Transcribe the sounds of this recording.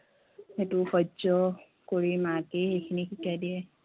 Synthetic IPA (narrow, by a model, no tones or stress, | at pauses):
hetuxʰɔd͡ʒɔ | koɹimakehejkʰinikikadiɛ